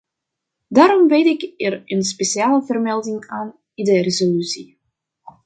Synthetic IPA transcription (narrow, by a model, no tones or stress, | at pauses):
daːɾɔmbɪtɪkɛrənspeʃiaːləvərmɛlˠdɪŋaːn | idərezolysi